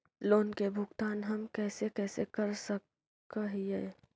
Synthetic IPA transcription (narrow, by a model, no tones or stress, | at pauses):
loːnkebʱʊɡt̪aːnɦɐmkɛːsekɛːsekəɾsək | əɦiɛː